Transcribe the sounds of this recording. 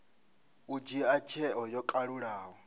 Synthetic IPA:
ud͡ʒiat͡ʃʰɛʔɔjɔkʼaɺuɺaːɦɔ

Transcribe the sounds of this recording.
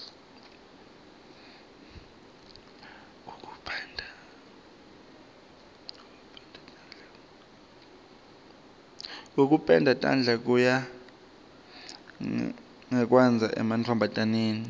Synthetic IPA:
ŋok̬ʼu̥pʰʼɛndʱa | ŋok̬ʼupʼɛndʱatʼa̰nd͡ɮʱak̬ʼuja | ŋɛk̬ʼwɛnd͡zʱaʔɛ̰mantʰɔmbʱatʼaneːni

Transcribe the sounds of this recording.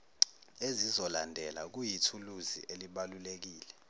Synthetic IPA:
ezizɔlandʱɛlak̬ujitʰuluzḭʔeliɓalulek̬iːlɛ

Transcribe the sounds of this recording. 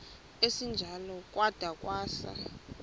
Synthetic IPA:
esind͡ʒʱalɔkʼwad̥ʱakʼwaːsa̰

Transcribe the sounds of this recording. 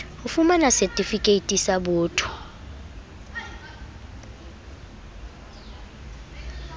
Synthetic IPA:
ufumanasɛtʼifikʼeitʼisaɓɔːtʰʼɔ̥

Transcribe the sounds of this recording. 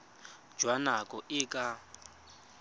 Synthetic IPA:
d͡ʒwanakʼɔʔɪkʼa

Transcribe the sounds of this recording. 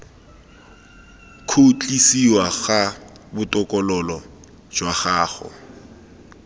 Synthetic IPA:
kʰot͡ɬʼisiwaɣa | bʊtʼɔkʼɔlɔlɔ | d͡ʒwaχaːχʊ̰

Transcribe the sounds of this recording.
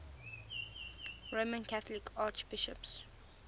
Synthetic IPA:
ɹomə̃nkʰaθlɪkʰaːt͡ʃb̥ɪʃə̰ps

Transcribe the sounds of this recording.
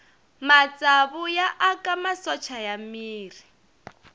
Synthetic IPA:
mat͡sʼaβujaʔakʼamasɔt͡ʃʰajamiːri

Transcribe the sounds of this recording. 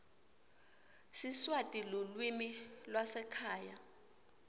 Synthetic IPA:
siswatʼilolwimilwasɛkʰaːja

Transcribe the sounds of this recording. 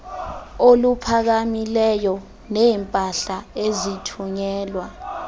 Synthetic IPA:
olupʰak̬amilɛjɔ | nɛːmpʼaɬaezitʰuɲɛːlwa

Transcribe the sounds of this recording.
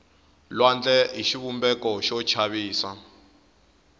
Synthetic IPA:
lwand͡ɮɛɦiʃiβumbɛkɔʃɔt͡ʃʰaβiːsa

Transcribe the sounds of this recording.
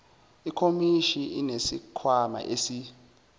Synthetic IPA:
ikʰomiʃiinesikʰwama̰ʔesi

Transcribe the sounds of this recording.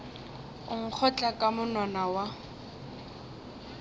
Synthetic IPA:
ʊŋ̩k͡xʰɔt͡ɬʼakʼamʊnɔnawa

